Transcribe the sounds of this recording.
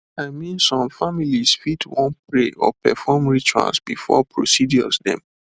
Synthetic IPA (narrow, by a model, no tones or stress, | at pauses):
aɪmĩnsɔ̃mfamilisfitʰwɔ̃npɹeʔɔ̰pɛfɔmɹit͡ʃã̰lsb̥ifɔ̰pɹosidjɔsdɛ̰̃m